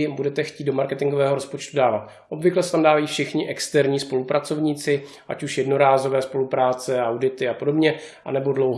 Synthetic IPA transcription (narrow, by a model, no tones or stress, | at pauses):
budɛt̪ɛxciːt̪̚domaɾkɛt̪ɪŋɡovɛːɦoɾo̞spot͡ʃt̪udaːvat̪ | ʔo̞bvɪklɛsɛt̪amdaːvajiːfʃɪxɲɪʔɛkst̪ɛɾɲiːspo̞lupɾat͡so̞vɲiːt͡sɪ | ʔa̰cuʃjɛdno̞ɾaːzo̞vɛːspo̞lupɾaːt͡sɛawdɪt̪ɪapo̞do̞bɲɛʔa̰nɛbo̞dlo̞wɦ